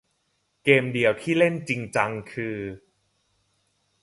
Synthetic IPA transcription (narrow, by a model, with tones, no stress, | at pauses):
keː˧mdi˧əwt̪ʰiː˥˩le˥˩nt͡ɕi˧ŋt͡ɕa˧ŋkʰɯː˧